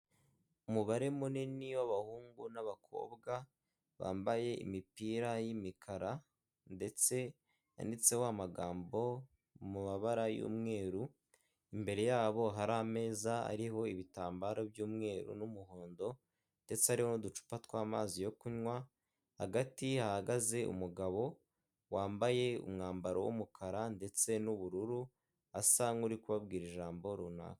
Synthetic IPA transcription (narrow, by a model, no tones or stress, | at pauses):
umuβaɾe̞muniniwaβahuːŋɡunaβakʰo̞̰ːbɡa | βa̰ːmbaje̞ḭmipiːɾajimikʰaɾa | nde̞t͡se̞ | a̰nit͡se̞wamaɡaːmbo̞ | mumaβaɾajṵːmŋe̞ːɾu | imbe̞ɾe̞jaːβo̞ɦaɾame̞ːzaa̰ɾiɦo̞iβitaːmbaɾobjuːmŋe̞ːɾṵnumuho̞ːndo̞ | nde̞t͡seaɾiho̞nudut͡ʃu̥patwaːmaːzijo̞kuɲwa | haɡatihahaɡaze̞ṵmuɡaβo̞ | waːmbaje̞ṵmŋaːmbaɾo̰wṵmukʰaɾande̞t͡se̞nuβuɾuɾu | asaŋuɾikuβabɡiːɾiʒaːmbo̞ɾuna̰kḁ